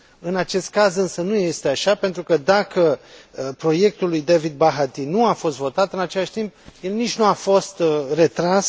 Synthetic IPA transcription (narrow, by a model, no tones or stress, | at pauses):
ɨnat͡ʃe̞st̪̚kazɨnsənuje̞st̪eaʃape̞nt̪ɾukəd̪akəpɾo̞je̞k̚t̪ulːujd̪evid̪̚baɦat̪inuafo̞st̪vo̞t̪at̪ɨnat͡ʃe̞laʃt̪imp̚je̞lnit͡ʃʲnuafo̞st̪re̞t̪ɾas